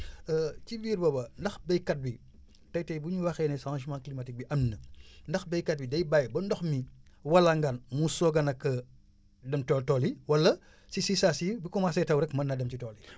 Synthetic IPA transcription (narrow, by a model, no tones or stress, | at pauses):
əcibiːɾbɔbɐndɐxbɛjkɐt̚bi | tɐjtɐjbuɲuwɐxɛːnɛsãʃ̬mãklimɐtik̚biʔɐmnəndɐxbɛjkɐt̚bidɐjbajbɐndɔxmi | wɐlɐŋɡɐnmusɔɡɐnɐkːɐ | dɐmtɔltɔliwɐlɐ | sisisasibikɔmasɛjtɐwɾɛkmɐnːɐdɐmcitɔːli